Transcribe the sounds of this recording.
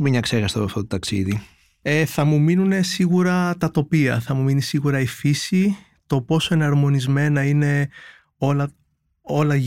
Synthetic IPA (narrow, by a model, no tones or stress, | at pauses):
umemɲɐksexɐst̪opɐft̪o̞t̪ot̪ɐksḭði | eθɐmuminune̞siɣuɾɐt̪ɐt̪o̞piɐ̰θɐmuminisiɣuɾɐifisi | t̪o̞po̞so̞e̞nɐɾmo̞nizme̞nɐine̞ | o̞lɐ | olɐ